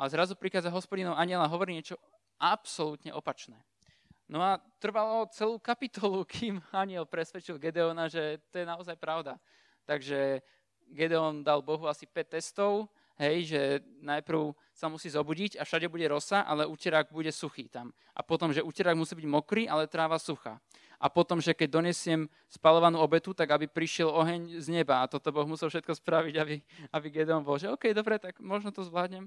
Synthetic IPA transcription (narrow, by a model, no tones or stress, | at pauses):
alɛzɾazupɾixaːd͡zaɦɔspɔɟinɔʊaɲɪɛlaɦɔʋɔɾiːɲɪɛt͡ʃɔ | ʔapsɔlut̪ɲɛʔɔpat͡ʃnɛː | nɔat̪r̩ʋalɔt͡sɛluːkapit̪ɔlukʰiːmaɲɪɛlpɾɛsʋɛt͡ʃilɡɛd̪ɛɔnaʒɛt̪ɔjɛnaɔzajpɾaʊd̪a | t̪aɡʒɛ | ɡɛd̪ɛɔnd̪albɔɦuasipɛt̪ːɛst̪ɔʊ | ɦɛjʒɛnajpɾ̩ʊ | samusiːzɔbuɟiɟafʃaɟɛbuɟɛɾɔsaʔa̰lɛucɛɾaɡ̚buɟɛsuxḭːt̪am | ʔa̰pɔt̪ɔmʒɛucɛɾaɡmusiːbiɟmɔkɾiːʔalɛt̪ɾaːʋasuxa̰ | ʔapɔt̪ɔmʒɛkɛɟ̚d̪ɔɲɛsɪɛm | spalɔʋanuːɔbɛt̪ut̪aɡabipɾiʃɪɛlɔɦɛɲzɲɛbaːt̪ɔt̪ɔbɔɣmusɛlˠfʃɛt̪̚kɔspɾaʋiɟabiabiɡɛd̪ɛɔnbɔlʒɛɔːkɛjd̪ɔbɾɛt̪aɡmɔʒnɔt̪ɔzʋlaːd̪ɲɛm